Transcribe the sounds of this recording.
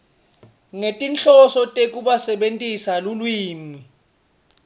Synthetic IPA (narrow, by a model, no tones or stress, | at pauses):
ŋetʼint͡ɬɔsɔtʼek̬ʼuɓasɛɓentʼisalulwiːmi